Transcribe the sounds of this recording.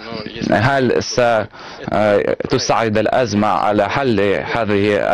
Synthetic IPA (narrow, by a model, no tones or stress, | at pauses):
ɦalsa | t̪ʊsaʕːɪd̪alʔazmaʕa̰laħalːhaːðɪhḭ